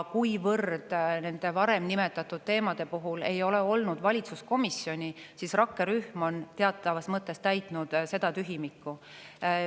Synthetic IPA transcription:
kujvɤrd̪̥ne̞nd̪̥e̞vɑɾemnime̞t̪ːˑɑt̪ːˑud̪̥̚t̪ːe̞ːmɑd̪̥e̞puɦule̞jo̞le̞o̞lnud̪vɑlʲit̪susko̞misjo̞nʲisisrɑkːe̞ɾyhmo̞nt̪e̞ɑt̪ˑːɑvɑsmɤt̪ˑːe̞st̪æjt̪ˑnud̪̥se̞d̪ɑt̪yɦimikˑːu

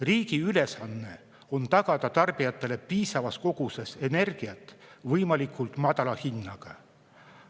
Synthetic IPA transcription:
riːɡ̥iyle̞sɑnːe̞ | o̞nt̪ɑɡ̥ɑd̪̥ɑt̪ɑrb̥ijɑt̪ːˑe̞le̞piːsɑvɑsko̞ɡ̥use̞se̞ne̞rɡ̥iɑt̪ːˑvɤjmɑlikʰˑult̪ˑmɑd̪̥ɑlɑhinːɑɡ̥ɑ

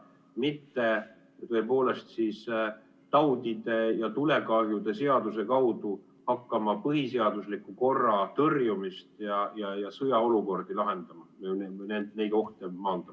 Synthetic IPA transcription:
mit̪ːe̞ | t̪oe̞po̞ːle̞st̪siːs | t̪ɑwd̪̥id̪̥e̞jɑt̪ule̞kɑɾjud̪̥e̞se̞ɑd̪use̞kɑwd̪̥u | hɑkːɑmɑpɤɦise̞ɑd̪uslikːuko̞rːɑt̪ɤrjumist̪jɑjɑjɑsɤjɑo̞luko̞rd̪̥ilɑɦe̞nd̪̥ɑmɑmenend̪nejɡ̥o̞ht̪emɑːnd̪̥ɑ

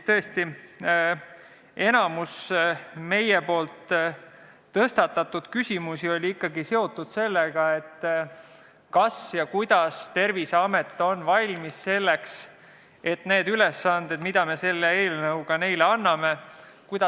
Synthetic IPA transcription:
t̪ɤest̪i | e̞nɑmusme̞jepo̞ːlt̪ | ɤst̪ɑt̪ːɑt̪ːˑud̪̥kysʲimusio̞lʲiikːɑɡise̞o̞t̪ːˑud̪̥se̞lːeɡ̥ɑe̞t̪ː | kɑsjɑkujd̪̥ɑst̪e̞rviseɑmet̪ːˑo̞nːvɑlʲmisːe̞lːeks | e̞t̪ne̞ːd̪̥ylesːɑnd̪̥e̞d̪̥mid̪̥ɑme̞se̞lːee̞ːlnɤwɡ̥ɑne̞jleɑnːɑme̞ | kujd̪̥ɑ

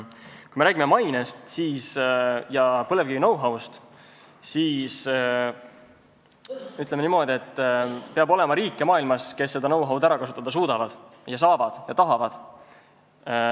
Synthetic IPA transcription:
kujmeɾæːɡʲimemɑjnest̪siːsjɑpɤle̞vkivinɤwɦɑwst̪ | siːs | yt̪lemenimo̞ːd̪ʲie̞t̪ːpeɑbo̞le̞mɑɾiːkˑːemɑːilmɑske̞sːe̞d̪ɑnɤwɦɑwd̪æɾɑkɑsu̥t̪ːˑɑd̪ɑs̬uːd̪̥ɑvɑd̪̥jɑs̬ɑːvɑd̪̥jɑt̪ɑɦɑvɑd̪̥

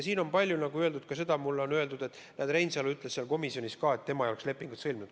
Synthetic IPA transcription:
jɑsiːno̞npɑlʲjunɑɡuøe̞ld̪ud̪̥̚kɑse̞d̪ɑmulːo̞nø̞e̞ld̪ud̪e̞t̪ːˑ | nʔæːd̪ɾejnsɑlyt̪ːˑleseɑlko̞misio̞niskɑːet̪ːe̞mɑejo̞eksle̞pːiŋɡ̥ut̪sɤlʲmnud̪̥

